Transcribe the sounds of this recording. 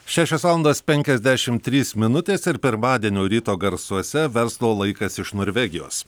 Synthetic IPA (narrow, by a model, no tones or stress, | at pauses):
ʃʲæːʃʲoːsʋɑːlˠɐnd̪oːspʲɛŋʲkʲɛzʲd̪ʲæʃʲɪmt̪ʲɾʲiːsmʲɪnʊt̪ʲeːsɪɾpʲɪɾmɑːd̪ʲiɛnʲoːɾʲiːt̪oːɡɐɾsuɔsʲɛʋʲɛɾslˠoːlˠɐɪkɐsɪʃnoːɾʲʋʲɛɡʲɪjo̰ːs